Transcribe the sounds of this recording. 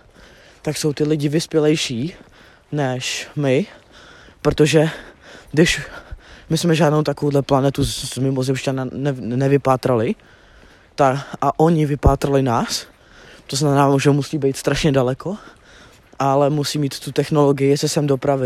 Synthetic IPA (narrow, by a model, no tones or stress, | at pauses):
t̪akso̞wt̪ɪlɪɟɪvɪspjɛlɛjʃiː | nɛʃmɪ | pɾot̪oʒɛdɪʃ | mɪsmɛʒaːdnowt̪akovowdlɛplanɛt̪uzmɪmozɛmʃcananɛnɛvɪpaːt̪ɾalɪ | t̪aʔaʔo̞ɲɪvɪpaːt̪ɾalɪnaːs | t̪oznamɛnaːmoʒɛwmusiːbɛjt̪st̪ɾaʃɲɛdalɛko̞ | ʔalɛmusiːmiːt̪ːut̪ɛxno̞lo̞ɡɪjɪsɛsɛmdopɾavɪ